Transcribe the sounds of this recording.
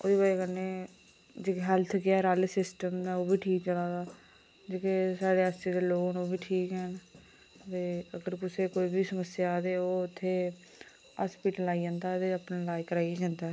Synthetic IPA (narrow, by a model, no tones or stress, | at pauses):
o̰ːd̪iːbaːeːkəneː | d͡ʒeːkːɦɛːlt̪ʰɡɪaːɾaːlesɪsʈəmd̪aːoːbʱiːʈʰiːk̚t͡ʃəlaːd̪aː | d͡ʒeːkesaːɽeːast͡ʃeːd̪eːloːnoːbiːʈʰiːkɦɛːn | t̪eːəɡəɾkʊseːkoːiːbʱiːsəməsɪjaːd̪eːoːʊt̪ʰːeː | a̰ːspiːʈəlaːiːd͡ʒãːnd̪aːt̪eəpnẽːlaːikəɾaːied͡ʒãːnd̪aːɦ